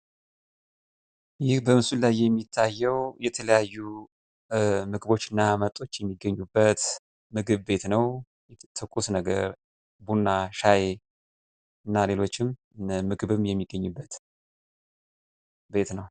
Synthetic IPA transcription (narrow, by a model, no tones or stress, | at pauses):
jɪhbəmɨsulajːɛmːit̪ʰːajːɛwjɛt̪ʰələjajːu | mɨɡɨbo̞t͡ʃːɨnːamət̪ʼo̞t͡ʃːjɛmːiɡːəɲːubːət̪ | mɨɡɨβbe̞t̪nəw | t̪ʰɨkʼusnəɡə̰ɾ | bunːaʃaje | ɨnːale̞lo̞t͡ʃːɪm | mɨɡɨβɨmjɛmːiɡːəɲːubːət̪ | be̞t̪nəw